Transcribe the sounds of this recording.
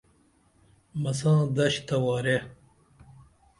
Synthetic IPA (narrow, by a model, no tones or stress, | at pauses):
mɐsãːd̪ɐɕt̪ɐwaːɾe